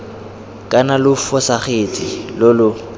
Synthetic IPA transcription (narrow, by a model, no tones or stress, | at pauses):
kʼanalʊfɔsaχet͡sʼilolʊ